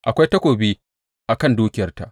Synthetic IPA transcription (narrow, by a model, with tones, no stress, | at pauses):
ʔa˨kʷa˦jtɐ˦kʷoː˨biː˦ | ʔa˨kɐ˦˨nduː˦kʲɪ˦˨jɐ˦rta˨ʔ